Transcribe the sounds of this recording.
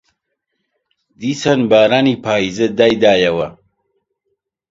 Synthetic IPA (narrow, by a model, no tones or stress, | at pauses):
d̪isɐnbaːɾanipʰaːized̪ajd̪aːjɐwa